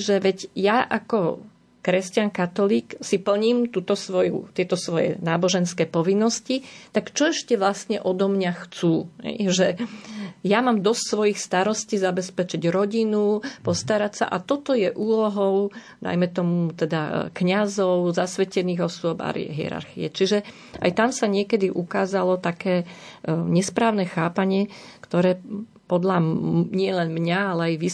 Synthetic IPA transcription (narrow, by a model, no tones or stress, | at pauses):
ʒɛʋɛɟjaʔakɔ | kɾɛscankat̪ɔliːksipl̩ɲiːmt̪uːt̪ɔsʋɔjṵt̪ɪɛt̪ɔsʋɔjɛ̰naːbɔʒɛnskɛːpɔʋinːɔscit̪akt͡ʃɔɛʃcɛʋlasɲɛʔɔd̪ɔmɲaxt͡suːɦɛ̰jʒɛ | jamaːmd̪ɔscsʋɔjixst̪aɾɔsciːzabɛspɛt͡ʃiɟɾɔɟinupɔst̪aɾacsa̰ʔat̪ɔt̪ɔjɛʔuːlɔɦɔʊ | d̪a̰jmɛt̪ɔmut̪ɛd̪akɲazɔʊzasʋɛcɛniːɣɔsʊɔba̰ɾɦiɛ̰ɾa̰ɾxiɛ̰t͡ʃiʒɛ | a̰jt̪amsaɲɪɛkɛd̪iʔukaːzalɔt̪akɛː | ɲɛspɾaːʊnɛxaːpaɲɪɛkt̪ɔɾɛː | pɔd̪ʎaɲɪɛlɛnmɲaalɛajʋi